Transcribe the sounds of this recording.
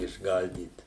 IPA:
ɪʒˈɡɐlʲdʲiːt

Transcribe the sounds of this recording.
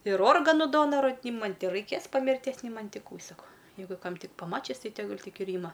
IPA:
ɪr ˈoːrɡɐnʊ ˈdoːnɐrʊ ˈnʲɪ ˈmɐnʲ tʲɪ rɐɪˈkʲeːs pɐ mʲɪrʲˈtʲiɛs nʲɪ ˈmɐnʲ ˈtʲɪ ˈkuː ˈsɑːkoː ˈjɛɪɡʊ ˈkɐm ˈtʲɪk pɐˈmɑːt͡ʃʲɪs ˈtɐɪ tʲɛˈɡʊlʲ ˈtʲɪk ɪr ˈiːmɐ

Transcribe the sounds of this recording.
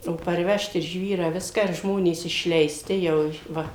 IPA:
oː pɐrʲˈʋʲɛʃt ɪr ˈʒʲʋʲiːrɑː ˈʋʲɪskɑː ɪr ˈʒmoːnʲeːs ɪʃʲlʲɛɪˈsʲtʲɪ ˈjɛʊ ˈʋɐ

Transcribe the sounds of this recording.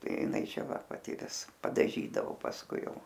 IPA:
ˈtɐɪ jɪˈnɐɪ ˈt͡ʃʲɛ ˈʋɐ pɐˈtʲɪ ˈʋʲɪs pɐdɐˈʒʲiːdɐʋoː pɐsˈkʊɪ ˈjɛʊ

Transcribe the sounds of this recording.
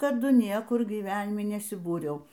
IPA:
tɐˈdʊ ˈnʲiɛkʊr ɡʲiːˈʋʲæːnʲɪmʲɪ nʲɛsʲɪˈbuːrʲɛʊ

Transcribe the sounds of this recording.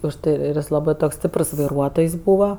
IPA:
ʊʃ ˈtɐɪ ˈɪr ɪr ˈjɪs ˈlˠɑːbɜ ˈtoːks ˈsʲtʲɪprs ʋɐɪˈruɔtoːjs ˈbuːʋɐ

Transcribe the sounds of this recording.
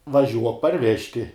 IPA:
ʋɐˈʒʲuɔk pɐrʲˈʋʲæːʃʲtʲɪ

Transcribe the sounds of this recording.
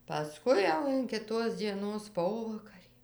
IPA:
pɐˈskʊɪ jɛʊ ɪn kʲɪˈtoːs d͡zʲiɛˈnoːs ˈpoːʋɐkɐrʲiː

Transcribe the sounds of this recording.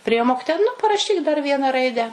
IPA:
pʲrʲɪˈeːjoː ˈmoːkʲɪtoːjɛ nʊ pɐrɐˈʃʲiːk dɐr ˈʋʲiɛnɑː ˈrɐɪdʲæː

